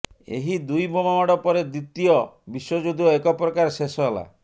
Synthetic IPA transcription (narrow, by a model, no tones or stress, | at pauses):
ḛɦid̪ujbomamaɽɔpɔɾed̪ɾit̪ijɔbiswɔd͡ʒud̪iɔekɔpɾɔkaɾsesɔɦela̰